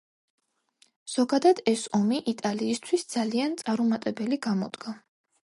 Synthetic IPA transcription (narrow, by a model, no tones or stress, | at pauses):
z̥ɔɡad̪ad̪ɛsɔmiʔit̪ʼaliːst̪ʰwisd̪zaliant̪sʼaɾumat̪ʼɛbɛliɡamɔd̪ɡa